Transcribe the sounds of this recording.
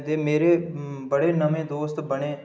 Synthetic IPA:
d̪eːmeːɾeːbəɽeːnəmẽːd̪oːst̪bəɽẽː

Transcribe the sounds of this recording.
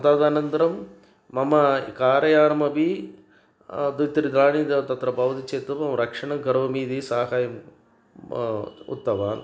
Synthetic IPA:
ɐt̪aːd̪aːnɐnt̪ɐɾɐmː | ɐmɐkaːɾɐjaːɾɐmɐbi | d̪ut̪ɐɾid̪ɾaːɳiːd̪ɐt̪ɐt̪ɾɐbɐʋɐt̪it͡ʃeːt̪umɐmɾɐkʂɐɳɐɡɐɾʋɐmiːd̪isaːɦaːjɐm | ṵt̪ːɐʋaːn

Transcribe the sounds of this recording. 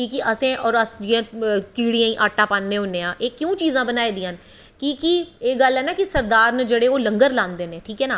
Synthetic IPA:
kiːkiʔəsẽːʔɔːɾəsd͡ʒiãːkiːɽijãːĩːʔaːʈãːpãːnːeːɦʊnːẽːãːʔeːkjũːt͡ʃiːzãːbənaːeːd̪ijãːn | kiːkieːɡəlɦɛːnaːkisəɾd̪aːɾnəd͡ʒəɽeːoːlə̃ŋɡəɾlãːnd̪eːnẽːʈʰiːkɦɛːnaː

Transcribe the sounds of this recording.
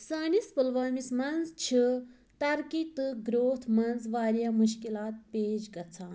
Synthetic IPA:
saːnispəlʋaːmismɐnzt͡ʃʰi | t̪ɐɾkit̪ɨɡɾoːt̪ʰmɐnzʋaːɾjamuʃkilaːt̪̚peːd͡ʒɡɐt͡sʰaːn

